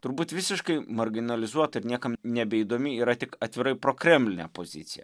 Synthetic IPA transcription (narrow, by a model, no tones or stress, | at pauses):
t̪ʊɾbuːt̪ʋʲɪsʲɪʃkɐɪmɐɾʲɡʲɪnɐlʲɪzuɔt̪ɐɪɾnʲiɛkɐmnʲɛbʲɛiːd̪oːmʲɪiːɾɐt̪ʲɪkɐt̪ʲʋʲɪɾɐɪpɾoːkɾʲɛmʲlʲɪnʲɛ̰poːzʲɪ̰t̪sʲɪjɛ̰